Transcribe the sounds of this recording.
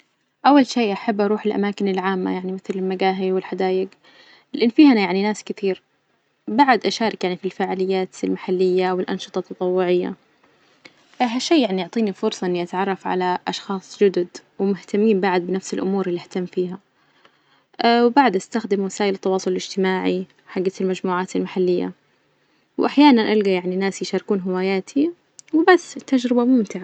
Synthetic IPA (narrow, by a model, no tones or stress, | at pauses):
ʔawːalʃeːʔaħabːʔɑɾˤuːħɪlʔa̰maːkɪnɪlʕaːmːa̰jaʕnimɪθlɪlmaɡaːɦiwɪlħad̪aːjɪɡ | lɪʔɪnːfiːhanajaʕninaːskɪt̪iːɾ | baʕad̪ʔaʃaːɾˤɪkjaʕnifilfaːʕaːlɪjːaːt̪ɪlmaħalːɪjːawɪlʔɑ̰nʃɨ̥t̪ˤɑt̪ːɑt̪ˤɑwːʊʕɪjːa̰ | ɦaʃeːaʕnijʊʕt̪ˤiːnifʊɾsˤɑʔɪnːiʔat̪ʕɑrˤːɑfʕa̰laʔɑʃxɑːsˤd͡ʒʊd̪ʊd̪wɪmʊht̪amːiːmbaʕad̪̚bɪnafsɪlʔʊmuːɾɪlːiɪht̪amːfiːɦa | ʔwbaʕd̪ʔast̪axd̪ɪmwasaːʔɪlɪt̪ːɑwɑːsˤʊlɪlɪd͡ʒt̪ɪmaːʕi | ħaɡːalmad͡ʒmuːʕaːt̪ɪlmaħalːɪjːa̰ | wʔaħjaːnanʔalɡajaʕninaːsjɪʃaːɾkuːnɦɪwaːjaːt̪ʰi | wɪbasːt̪ːad͡ʒɾɪbamʊmt̪ɪʕa